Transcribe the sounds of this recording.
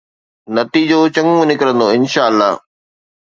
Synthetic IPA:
nɐt̪iːd͡ʑoːt͡ɕɐ̃ŋɡmũnɪkɾə̃nd̪oːɪnʃaːəlːaːɦ

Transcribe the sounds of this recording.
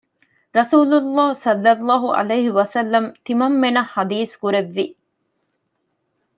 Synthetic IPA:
ɾɐsuːlulːaːsɐlːɐlːɑːɦuʔɐ̰lɐjɦiʋɐsɐlːɐmt̪imɐmːenɐhɐd̪iːskuɾeʋːi

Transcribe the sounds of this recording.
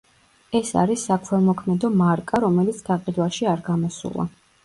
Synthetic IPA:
ɛsa̰ɾisːakʰwɛlmɔkʰmɛd̪ɔmaɾkʼaɾɔmɛlit̪sʰɡ̪aqʼid̪waʃiaɾɡamɔsṵlˠa̰

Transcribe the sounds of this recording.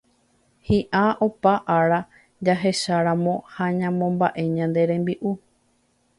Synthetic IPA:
hĩʔaʔopaʔaɾa | d͡ʒaɦe̞ʃaɾãmõ̞haɲãmõ̞mbaʔe̞ɲãnd̪e̞ɾẽ̞mbiʔu

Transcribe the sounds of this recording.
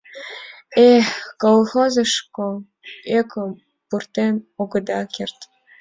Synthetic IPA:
exkolˠxozəʃko | ekʰə | purt̪enoɡə̆d̪ɑkʲert̪

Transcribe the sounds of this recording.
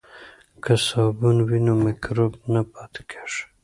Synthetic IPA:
kəsɑbunwinomɪkɾobnapɑt̪kʰe̥ʂ

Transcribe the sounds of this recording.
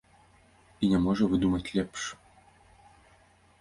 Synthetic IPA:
inʲɛmɔʐɐvɨd̪umɐt͡sʲlʲɛpʂ

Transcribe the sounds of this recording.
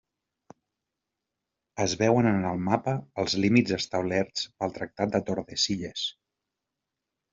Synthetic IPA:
əzβɛwənənəlˠmapəːlˠzlimid͡zzəst̪əwlɛɾt͡spəlˠt̪ɾək̚t̪at̪̚d̪ət̪oɾðəsiʎəs

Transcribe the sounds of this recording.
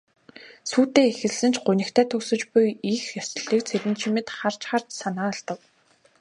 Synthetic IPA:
suːt̪eːexɘ̆ɮsɘ̆nt͡ɕʰɢʊnɘ̆kt̪ʰæːt̪ʰɵksɵ̆t͡ɕpʊjixjɔsə̆ɮiːk̚t͡sʰeɾɘ̆nt͡ɕʰimɘ̆t̪χar̥t͡ɕχar̥t̪sanaːɔɮt̪ə̆k

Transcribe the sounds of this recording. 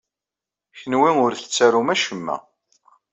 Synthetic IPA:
çənwiʊɾθə̥t͡sːæɾumæʃəmːæ̰

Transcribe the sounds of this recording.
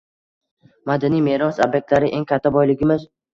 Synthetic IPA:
mad̪anijme̞ɾɒsobjek̚t̪laɾɪʔeŋkʰʲat̪ʰːabɒjlɪɡʲɪmɪz

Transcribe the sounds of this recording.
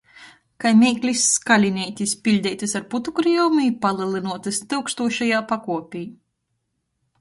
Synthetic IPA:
kajmʲɛːklʲisːkalʲinʲɛjt̪ʲispʲilʲd̪ʲɛjt̪ɨsaɾput̪ukɾiɔwmipalˠɨlˠinuɔt̪ɨst̪ɨwkst̪uɔʃajaːpakuɔpʲiː

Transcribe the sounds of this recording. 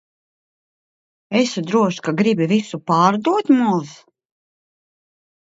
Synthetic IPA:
esud̪ɾuɔʃkaɡɾibivisupaːɾd̪uɔt̪mus

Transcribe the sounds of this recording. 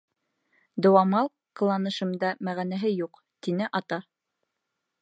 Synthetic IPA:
d̪ŏwɑmɑlˠ | qɤ̆lˠɑnɤ̆ʃɤ̆md̪ɑmæʁænæɦɘjuq | t̪inɘʔɑt̪ɑ

